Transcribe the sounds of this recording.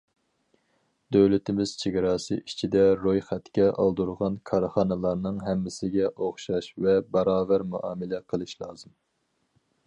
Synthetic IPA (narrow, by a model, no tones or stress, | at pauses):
d̪øwlɪt̪ɪmɪz̥t͡ʃʰeɡʲɪɾɑːsɨʔit͡ʃʰid̪ɛɾojχɛt̪kʲɛʔɑ̰lˠd̪uɾʁɑnkʰɑɾχɑnɨlˠɑɾnɨŋɦɛmːɪsɪɡʲɛʔoχʃɑʃvɛbɑɾɑːvæɾmuʔɑːmɪlɛqʰəlˠɨʃlˠɑ̰ːz̥ɨm